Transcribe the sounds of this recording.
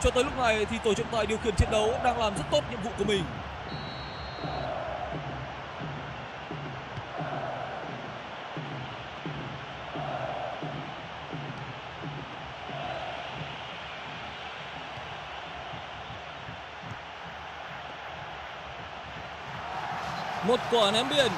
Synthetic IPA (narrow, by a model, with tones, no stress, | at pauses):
t͡ɕɔ˧t̪əː˨˦jlʊ˦˥k͡p̚na˨˩jt̪ʰi˨˩t̪o˧˩t͡ɕɨ̰˧˥˨ŋ͡mt̪a̰ː˧˨ɗi˨əwxi˧˩ənt͡ɕ̪ʰi˧˥ənɗə˨˦wɗaː˧ŋlaː˨˩mzə˦˥t̚t̪o˦˥t̚ɲḭ˧˨mvṵ˧˨ku˧˩əmï˨˩ŋ̟ | mo˨˩t̚ku˧˩ʔa˨˩nɛ˨˦mɓi˧˨ə˨˩n